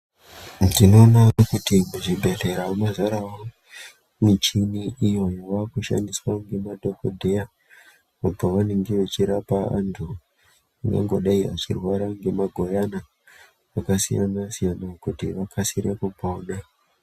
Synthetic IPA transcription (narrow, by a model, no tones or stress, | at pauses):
dino̞ːnakutimuʐibʱe̞ɮe̞ɾaomazaɾawo | mit͡ʃiniijojoʋakuʃa̰ndiswaŋɡe̞madʱokodʱe̞ja | upaʋane̞ŋɡe̞ʋet͡ʃiɾapaa̰ntʰu | aŋɡa̰ŋɡo̞ɗaia̰t͡ʃirwaɾaŋɡe̞maɡʱo̞jana | akasija̰nasijanakutiʋakʰasiɾekubʱoɗa